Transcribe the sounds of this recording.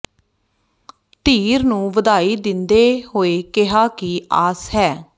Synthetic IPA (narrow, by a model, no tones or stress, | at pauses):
t̪iːɾnũːʋəd̪aːiːd̪ɪnd̪eːhoːeːkɪɦaːkiaːsɦɛː